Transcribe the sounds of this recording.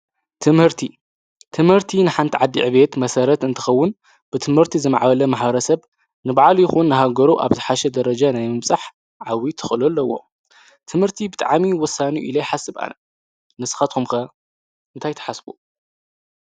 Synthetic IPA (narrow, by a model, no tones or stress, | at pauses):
t̪ʰɨmhɨɾt̪ʰi | t̪ʰɨmhɨɾt̪ʰinɨħant̪ʰiʕad̪ːiʕɨβe̞t̪mɐsɐɾɐt̪ɨnt̪ʰɨ̥xɐwːʊn | b̥ɨt̪ʰɨmhɨɾt̪ʰizɨma̰ʕbɐlɐmaħbɐɾɐsɐβ | nɨbaʕaljɪxunːɨɦaɡɐɾuʔa̰βzɨħaʃɛd̪ɐɾɐd͡ʒanajmɨmsʼaħ | ʕawit̪ʰɨxʼɨlulːɐwo̞̰ | t̪ʰɨmhɨɾt̪ʰibɨt̪ʼa̰ʕmiwɔsːaniuʔḭlɐjħasɨβa̰nɐ | nɨsɨ̥xat̪kʰumkɐ | ɨnt̪ʰajt̪ʰɐ̥ħasbu